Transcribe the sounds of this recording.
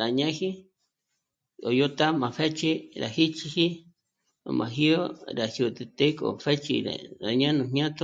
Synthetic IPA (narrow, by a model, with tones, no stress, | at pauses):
ɾa˨ɲã˦hi˦ | o˨jo˦t̪a˦mã˨fe˦t͡ʃi˦ɾa̰˨hi˦t͡ʃi˧hi˦ | o̰˨mã̰˨ɦi˦o˦ɾa˨hju˧t̪e˧t̪e˦kʼo̰˨fe˦t͡ʃḭ˧ɾḛ˨ɾa˨ɲã˦nũ˧ɲɲʲã˦t̪o˦